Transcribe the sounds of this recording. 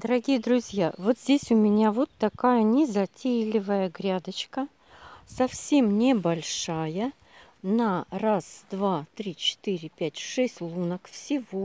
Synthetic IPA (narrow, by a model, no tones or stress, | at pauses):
d̪̥əɾɐɡʲijəd̪ɾʊzʲjavo̞t̪zʲdʲesʲʊmʲɪnʲavot̪ːɐkajənʲɪzɐtʲejlʲɪvəjəɡɾʲad̪ət͡ɕkə | sɐfsʲe̞mnʲɪbɐlʲʂajə | nərasd̪vat̪ɾʲit͡ɕɪ̥t̪ɨɾʲɪpʲætʲʂɛsʲtʲlˠunəkfsʲɪvo